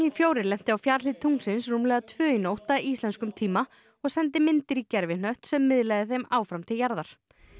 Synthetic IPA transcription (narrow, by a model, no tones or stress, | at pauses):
ifjoːwɾɪlɛm̥t̪ɪawfjaːɾlɪt̪ʰːuŋsɪnsruːmlɛːɣat̪ʰvœːinowht̪aʔist̪lɛnskʏmt̪ʰiːma | ɔɣsɛnt̪ɪmɪnt̪ɪɾicɛɾvɪnœht̪sɛmːɪðlajðɪθejmaːwfɾamt̪ʰɪljaɾðaɾ̥